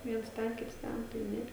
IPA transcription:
ˈʋʲiɛns ˈtʲɛn ˈkʲɪts ˈtʲɛn tɐɪ ˈnʲɛ

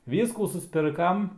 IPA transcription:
ˈʋʲiːskuː sʊsʲˈpʲɪrkɐm

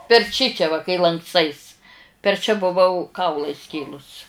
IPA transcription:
pʲɛr ˈt͡ʃʲɪt͡ʃʲɛ ʋɐ kɐɪ lˠɐŋkˈstɐɪs pʲɛr t͡ʃʲɛ bʊˈʋɐʊ ˈkɐʊlˠɑː ˈɪsʲkʲeːlˠʊs

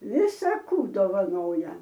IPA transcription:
ˈʋʲɪsɐ ˈkuː doːʋɐˈnoːjɛ

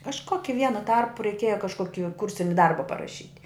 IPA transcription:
kɐʃˈkoːkʲɪ ˈʋʲiɛnʊ ˈtɐrpʊ rʲɛɪˈkʲiɛjɛ kɐʃˈkoːkʲɪ ˈkʊrʲsʲɪnʲɪ ˈdɐrbɐ pɐrɐˈʃʲiːtʲ

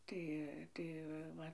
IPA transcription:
ˈtɐɪ ˈtɐɪ ʋɐ ˈʋɐ

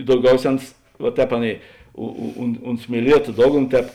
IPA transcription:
dɐʊˈɡʲɛʊˌsʲɛː ˈɐns ʋɐ ˈtʲɛːp ˈɑːˌnʲeːɪ ʊ ʊ ʊn ˈʊnt sʲmʲiɛˈlʲiɛtoː ˈdoːɡˌnoː ˈtʲɛːp

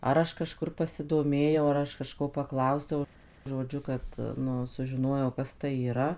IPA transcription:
ˈɐr ɐʃ kɐˈʃkʊr pɐsʲɪdoːˈmʲeːjɛʊ ɐr ˈɐʃ kɐˈʃkoː pɐˈklˠɐʊsʲɛʊ ʒoːˈd͡ʒʲʊ kɐt ˈnʊ sʊʒʲɪˈnoːjɛʊ ˈkɐs tɐɪ iːˈrɐ

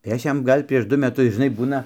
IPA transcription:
tɐɪ ˈɐʃ ˈjɛm ˈɡɐlʲ pʲrʲiɛʃ ˈdʊ mʲɛˈtʊs ʒʲɪˈnɐɪ ˈbuːnɐ

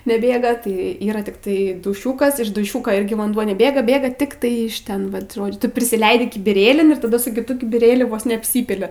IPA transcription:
nʲɛˈbʲeːɡɐ tɐɪ ˈiːrɐ tʲɪkˈtɐɪ dʊˈʃʲuːkɐs ɪʃ dʊˈʃʲuːkoː ˈɪrʲɡʲɪ ʋɐnˈduɔ nʲɛˈbʲeːɡɐ ˈbʲeːɡɐ ˈtʲɪktɐɪ ɪʃ ˈtʲɛn ˈʋɐt ˈʒoːd͡ʒʲʊ tʊ pʲrʲɪsʲɪˈlʲɛɪdʲɪ kʲɪbʲɪˈrʲeːlʲɪn ɪr tɐˈdɐ sʊ kʲɪˈtʊ kʲɪbʲɪˈrʲeːlʲʊ ˈʋoːs nʲɛɐpʲˈsʲiːpʲɪlʲɪ

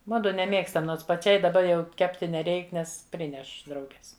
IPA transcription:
ˈmʊdʊ nʲɛˈmʲeːkstɐm ˈnoːns pɐˈt͡ʃʲɛɪ dɐˈbɐ jɛʊ ˈkʲæːpʲtʲɪ nʲɛˈrʲɛɪk ˈnʲɛs ˈpʲrʲɪnʲɛʃ ˈdrɐʊɡʲɛs

